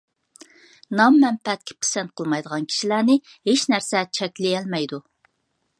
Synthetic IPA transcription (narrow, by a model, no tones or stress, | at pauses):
nɑmːɛnpʰɛt̪̚kʲʰɪ̥pʰe̥sɛnt̪̚qʰəlˠmɑjd̪əʁɑnkʲʰi̥ʃilæɾnɪ | heʃnæɾsɛt͡ʃʰɛkʲlɪjɛlmɛjd̪u